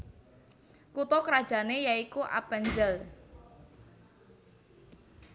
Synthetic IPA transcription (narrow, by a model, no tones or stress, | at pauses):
kut̪ɔkɾḁʒ̥a̤nejaikuʔa̰pɛɲd͡ʒəl